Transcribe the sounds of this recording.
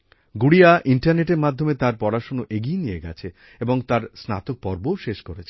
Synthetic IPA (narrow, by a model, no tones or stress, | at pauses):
ɡuɽiaʔiɳʈaɾneʈeɾmad̪ʱːomet̪aɾpɔɾaʃonoʔeɡinijeɡɛ̰t͡ɕʰe | eboŋt̪aɾsna̰t̪ok̚pɔɾboʃeʃkoɾet͡ɕʰe